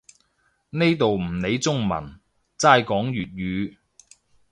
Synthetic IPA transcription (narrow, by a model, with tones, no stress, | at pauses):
ne˥jt̪o˨wm̩˨˩ne˨˧jt͡sʊ˥ŋmɐ̰˨˩n | t͡saː˥jkɔː˨˥ŋjyː˨t̚ɥyː˨˧